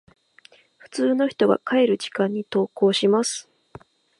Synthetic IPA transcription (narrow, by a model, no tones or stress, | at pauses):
ɸɯ̟̥t͡sɨːno̞çi̥t̪o̞ɡa̰kae̞ɾɯ̟ʑi̥kãɲ̟ːit̪o̞ːko̞ːɕimasɨ̥